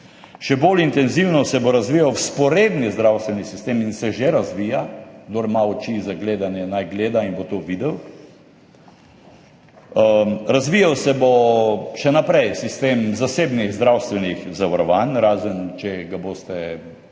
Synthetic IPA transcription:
ʃɛbolint̪ɛnziwnɔsɛboɾazʋijawspɔɾeːd̪nizd̪ɾawst̪ʋɛnisist̪eːminsɛʒeɾazʋiːjaɡd̪oɾmaɔt͡ʃizaɡleːd̪anjɛnajɡleːd̪ainbot̪oːʋid̪ɛw | ɾazʋiːjawsɛboʃɛnapɾɛjsist̪eːmzaseːbniɣzd̪ɾawst̪ʋɛnixzaʋaɾɔʋanɾaːzənt͡ʃɛɡaboːst̪ɛ

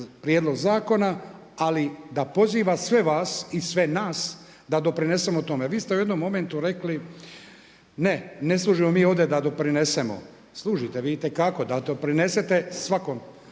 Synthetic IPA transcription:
pɾjeːd̪lo̞ɡzaːko̞na | alid̪apo̞ziːʋasʋe̞ʋaːsisʋe̞naːs | d̪ad̪o̞pɾine̞se̞mot̪o̞me̞ʋiːst̪eujed̪no̞mːo̞ment̪uɾe̞kli | nene̞slˠuːʒimomiːo̞ʋd̪e̞d̪ad̪o̞pɾine̞se̞mo̞̰ | slˠuːʒit̪eʋiːt̪e̞kako̞d̪ad̪opɾine̞set̪e̞sʋakom

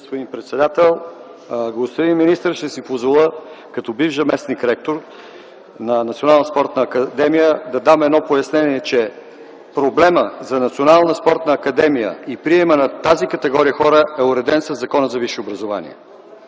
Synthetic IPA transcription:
ɡospod̪inpɾɛt̪sɛd̪at̪ɛlˠ | ɡˠost̪id̪inminist̪əɾʃt̪ɛsipozvɐlˠəkɐt̪ɔbivzɐmɛsnikɾɛk̚t̪oɾ | nɐnɐt̪sionalˠnəspɔɾt̪nəːkəd̪ɛmijəd̪ɐd̪amɛd̪nɔpojɐsnɛniɛt͡ʃɛ | pɾoblɛməzɐnɐt̪sionalˠnəspɔɾt̪nəːkɐd̪ɛmijə̰ipɾiɛmənɐt̪azikɐt̪ɛɡɔɾijəxɔɾəɛʊɾɛd̪ɛnsɐzːɐkɔnəzɐviʃɛobɾɐzova̰nḭɛ̰

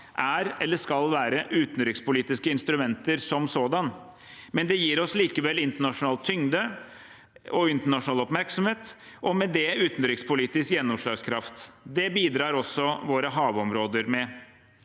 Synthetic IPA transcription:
ʔæɾɛlːəʂkɑlʋæːɾəʔʉːt̪n̩d̪ɾɪkspʊliːt̪ɪskəɪnst̪ɾʉmɛnt̪əɾsɔmsoːd̪ɑn | mɛnd̪ɛjiːɾɔsliːkəʋɛlːɪnt̪əɳɑʂʊnɑːlt̪ʰːʏŋd̪ə | ʔɔɪnt̪əɳɑʂʊnɑːlɔpmæɾksɔmheːt̪ | ʔɔmɛd̪ɛʉːt̪n̩ɾɪkspʰʊliːt̪ɪskjɛnːɔmʂlɑːɡskʰɾɑft̪d̪ɛbiːd̪ɾɑːɾɔsːɔʋoːɾəɦɑːʋɔmɾoːd̪əɾmɛ

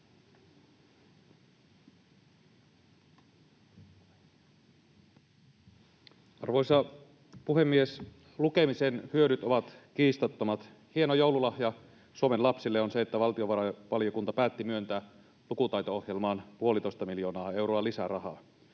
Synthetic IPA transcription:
ɑ̰rʋo̞jsɑ | puɦe̞mːies | lukemisenhyøɾyt̪o̞ʋɑt̪kiːst̪ɑt̪ːomɑt̪ | hie̞nojo̞wlulɑhjɑ | suomenlɑpsilːeo̞nseet̪ːæʋɑlt̪io̞ʋɑɑʋɑljokunt̪ɑpæːt̪ːimyønt̪æː | lukut̪ɑjt̪oohje̞lmɑːnpuo̞lit̪ojst̪ɑmiljo̞ːnɑːe̞wɾoɑlisærɑɦɑ̰ː

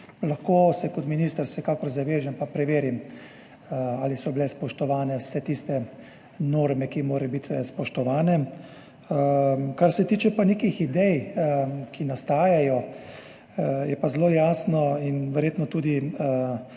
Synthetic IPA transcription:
laxkoːsɛkɔt̪miniːst̪əɾsɛkaːkɔɾzaʋeːʒɛmpapɾɛʋeːɾim | alisɔbilɛspɔʃt̪ɔʋaːnɛwsɛt̪ist̪ɛ | noːɾmɛkimoːɾɛjbit̪spɔʃt̪ɔʋaːnɛ | kaɾsɛt̪iːt͡ʃɛpaneːkixid̪ɛj | kinast̪aːjajɔ | jɛpazloːjaːsnɔinʋɛɾjeːt̪nɔt̪uːd̪i

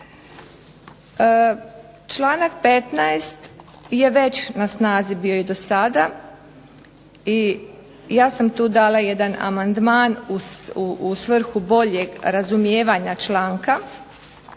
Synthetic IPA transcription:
t͡ʃlaːnak̚pe̞t̪naest̪ | je̞ʋe̞t͡ɕnasnaːzibiːo̞id̪o̞sad̪a | i | jaːsamt̪uːd̪aːlˠaje̞d̪ana̰mand̪maːnusuusʋr̩xubo̞ʎe̞ɡɾazumjeːʋaɲat͡ʃlaːŋka

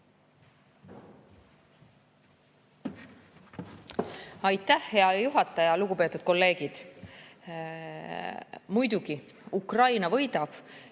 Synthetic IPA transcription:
ɑjt̪ːˑæhhe̞ɑjuɦɑt̪ːˑɑjɑluɡupe̞t̪ːˑud̪̥̚ko̞lːe̞ːɡ̥id̪̥ | mujd̪̥uɡi | ukrɑjnɑvɤ̞jd̪̥ɑb̥

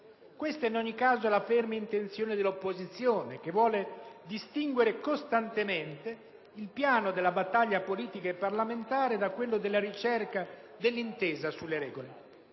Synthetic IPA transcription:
kwest̪ainɔɲːikːaːzolafɛrmeint̪ent̪sjoːned̪elːopːozit̪sːjoːnek̟evwɔːled̪ist̪iŋɡweɾekost̪ant̪ement̪e | ilpjaːnod̪elːabat̪ːaʎːapoliːt̪ikaepːarlament̪aːɾed̪akwelːod̪elːaɾit͡ʃɛrka | d̪elːint̪eːzasulːeɾɛ̰ːɡole

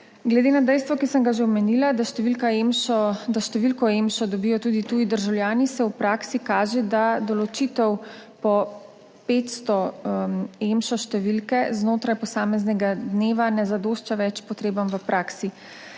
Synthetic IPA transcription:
ɡlɛd̪eːnad̪ɛjst̪ʋɔkisəŋɡaʒewmɛnilad̪aʃt̪ɛʋilkaemʃɔd̪aʃt̪ɛʋilkɔemʃɔd̪ɔbijɔt̪uːd̪it̪uːid̪əɾʒawljaːnisɛupɾaːksikaːʒɛd̪ad̪ɔlɔt͡ʃiːt̪ɛwpɔ | pet̪st̪ɔmemʃɔʃt̪ɛʋilkɛznoːt̪ɾajpɔsaːmɛznɛɡad̪neːʋanɛzad̪oːʃt͡ʃaʋɛt͡ʃpɔt̪ɾeːbamʋəpɾʔaːksi

